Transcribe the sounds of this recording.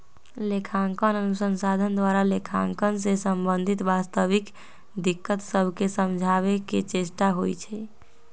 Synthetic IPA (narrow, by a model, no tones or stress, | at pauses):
lekʰaŋkənənusənsad̪ʱənd̪waɾalekʰaŋkənsẽsəmbənd̪ʱit̪bast̪əbik | d̪ikːət̪səbʱkesəmd͡ʒʱaβeket͡ʃesʈaɦojt͡ʃʰɛ